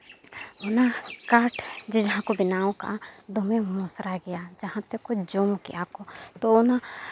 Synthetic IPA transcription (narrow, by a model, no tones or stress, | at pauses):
ʊnakaːʈʰd͡ʒed͡ʒɐɦãkobɪnaːõka̰d̪omẽmosɾaɡɐjad͡ʒɐɦãt̪ekod͡ʒomkɪ̰jakot̪oona